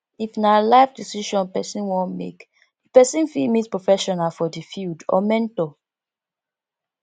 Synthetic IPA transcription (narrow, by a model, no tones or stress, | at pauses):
ifnalaɪfdisiʃɔ̃npɛsĩnwɔ̃nmḛk | pɛsĩnfimitpɹofɛʃɔnalfɔdifjudɔ̰mɛ̃ntɔ